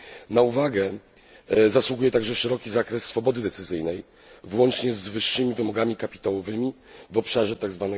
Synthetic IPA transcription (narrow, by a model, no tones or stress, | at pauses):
nauvaɡɛ | zaswuɡujɛt̪aɡʐɛfʂɛɾɔkʲizakɾɛsːfɔbɔd̪ɘd̪ɛt̪sɘzɘjnɛj | vwɔnt͡ʂɲɛzvɘʂːɘmʲivɘmɔɡamʲikapʲi̥t̪awɔvɘmʲi | vɔpʂaʐɛt̪aɡzvanɛ